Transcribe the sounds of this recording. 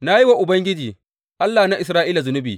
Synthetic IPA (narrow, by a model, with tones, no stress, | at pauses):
na˦ji˦wa˦ʔʊ˨bɐ˦ŋɡʲɪ˦d͡ʒiː˨ | ʔa˦lːaː˨na˦ʔɪ˨sɾaː˦ʔiː˦la˨zʊ˨nʊ˦bḭː˨